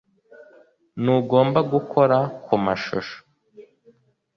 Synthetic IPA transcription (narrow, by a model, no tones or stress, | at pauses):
nuɡo̞ːmbaɡukʰo̞ɾakʰumaʃo̰ʃo̥